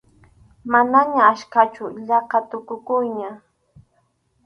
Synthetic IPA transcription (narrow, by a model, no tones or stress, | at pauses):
manaɲaːʃkat͡ʃʊʎɑqɑt̪ʊkʊkʊjɲa